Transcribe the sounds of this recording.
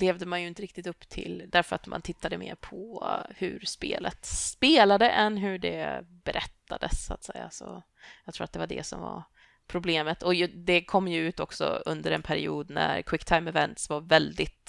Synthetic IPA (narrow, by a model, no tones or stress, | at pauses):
leːvd̪əmanjɵɪnt̪əɾɪkt̪ɪt̪ɵpːt̪ʰɪld̪æɾfœɾat̪mʔant̪ʰɪt̪ʰːad̪əmeːɾpʰɔhɵ̰ɾspeːlət̪speːlad̪əʔɛnɦɵɖɛ̰bɛɾʔɛt̪ːad̪əsaːt̪sɛjːasɔ | jɑkt̪ɾuːɾat̪d̪ɛvaɖɛ̰sɔmva̰ɾ | pʰɾʊbleːmət̪ʰɔjd̪ɛkʰɔmːjɵʉ̟ːt̪ɔksɔ̰ɵnd̪əɾɛnpʰæɾɪ̰uːd̪næɾkʰwɪkːt̪ʰaɪmɛvɛnt̪svaɾvɛld̪ɪt̪